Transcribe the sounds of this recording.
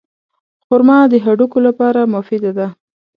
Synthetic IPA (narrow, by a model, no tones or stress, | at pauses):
xʊɾmɑd̪əɦaɖukolapɑɾamʊfɪd̪ad̪a